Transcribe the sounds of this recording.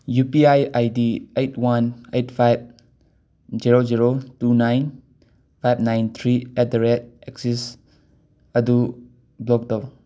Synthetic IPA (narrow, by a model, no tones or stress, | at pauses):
jupiajajdiejtʰwanejtpʰajb̚ | ziɾod͡ʒiɾotunajn | pʰajb̚najnt̪ʰɾiɛt̚dɾet̚eksis | ɐdu | blɔk̚dɔw